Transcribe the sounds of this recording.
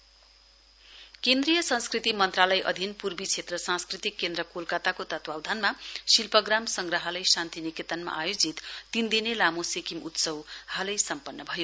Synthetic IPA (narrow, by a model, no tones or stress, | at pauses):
kend̪rijʌsʌ̃nskrit̪imʌnt̪ralʌjʔʌ̰d̪ʱinpurbit͡sʰet̪rʌsãskrit̪ikːend̪rʌkolkat̪akot̪ʌt̪wawd̪ʱanmasilpʌɡramsʌŋɡrʌɦʌlʌjsant̪iniket̪ʌnma̰ʔajod͡zit̪t̪ind̪inelamosekimut̪sʌwhalʌjsʌmpʌnːʌbʱʌjo